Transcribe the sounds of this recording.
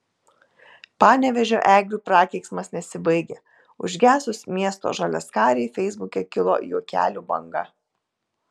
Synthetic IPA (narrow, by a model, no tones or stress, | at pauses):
pɑːnʲɛʋʲɛʒʲo̰ːʔæːɡɾʲuːpɾɑːkʲɛɪksmɐsnʲɛsʲɪbɐɪɡʲɛ | ʊ̰ʒʲɡʲæːsʊsmʲiɛst̪o̰ːʒɐlʲɛ̰skɑːɾʲɛɪfʲɛɪzbʊkʲɛkʲɪlˠo̰ːjuːkʲæ̰ːlʲuːbɐ̰ŋɡɐ̰